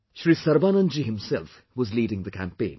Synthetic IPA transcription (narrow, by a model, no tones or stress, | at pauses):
ʃɹisʌɾbanə̃nd͡ʒiɦɪ̃msɛlf | wʌzliːɾɪ̃ŋðəkʰæ̰̃mpẽɪ̃n